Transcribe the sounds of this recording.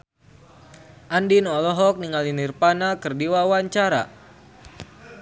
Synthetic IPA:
ʔandinɔlɔɦɔk̚niŋalinirpanakɨrdiwawaɲt͡ʃaɾa̰

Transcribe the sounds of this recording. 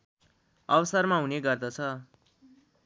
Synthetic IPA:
ʌbʌsarmaɦuneɡʌrd̪ʌt͡sʰʌ

